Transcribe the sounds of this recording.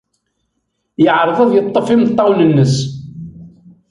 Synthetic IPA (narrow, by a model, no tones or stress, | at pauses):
jəʕɾˤðˤəðˤjət̪ˤːəfimt̪ˤːɑwnənːəs